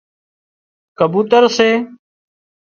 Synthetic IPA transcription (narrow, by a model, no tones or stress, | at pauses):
kəbuːt̪əɾseː